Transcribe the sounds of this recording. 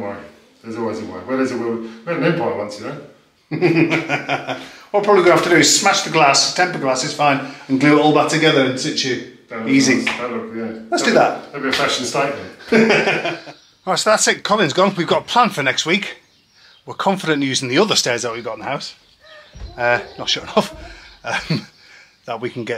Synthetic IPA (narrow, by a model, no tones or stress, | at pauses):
aɪ | ðəzɔlˠwɪzɪwɛwəðəzəwəwɪəənɪ̃mpʰɔɪwʌ̃nsjənoʊ | wɔpʰɹ̥ɒbliɡə̃aftədəɪz̥smaʃðəɡlasɪ̥tʰɛ̃mpəɡlasɪz̥fãɪ̃nə̃nɡlʉɪʔɔːlˠðətʰəɡɛðəɹə̃nsɪt͡ʃəðiːziəlʊkjælətsd̥əðəʔebiəfaʃə̃n̩staɪkə | aɪsoðatsɪtkʰɒlɪ̃nzɡɒ̃nwivɡɒtpʰl̥ãnfənɛkst̚wiˑk | wɪkʰɒ̃ɱfɪɾə̃njʉːzɪ̃ŋðiʊðə˞stɛːzðəʔ̚wivɡɒtɪnðəhaʊs | ənətʃɔɹɪ̃nʌfʌm | ðəʔwikʰə̃n̩ɡɛ